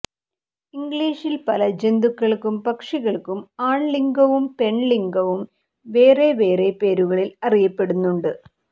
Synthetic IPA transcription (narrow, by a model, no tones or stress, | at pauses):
iŋɡɭiːʂilpɐlɐd͡ʑe̞nd̪ukːɐɭkumpɐkʂiɣɐɭkːumaːɳliŋɡɐʋumpe̞ɳliŋɡɐʋum | ʋe̞ːre̞ʋe̞ːre̞pe̞ːɾuɣɐɭilɐrijɐpːe̞ɽunːuɳɖɨ